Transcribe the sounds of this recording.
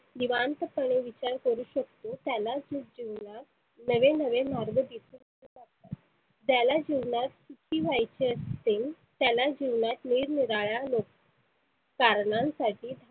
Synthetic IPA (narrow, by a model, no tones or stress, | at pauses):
diʋant̪əpəɳ̃eʋit͡ɕaɾkəɾuːɕəkt̪ot̪jalad͡zud͡ʑiʋɳat̪ | nəʋenəʋemaɾɡəd̪isuːnkũkaɾt̪at̪ | d͡ʑjalad͡ʑiʋɳat̪sut͡ɕʰiːʋajt͡ɕeəst̪iŋ | t̪jalad͡ʑiʋɳat̪niːɾniɾaɭjalok | kaɾɳãnsaʈiːd̪ʱ